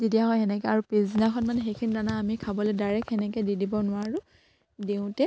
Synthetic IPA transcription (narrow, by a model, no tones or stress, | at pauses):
zitijaɦɔjɛnɛkɛaɹupizinakʰɔnmanɛxejkʰinidanaːmikʰabɔlojdaɹɛkɛnɛkɛdidibɔnʊwaɹu | deʊ̃tɛ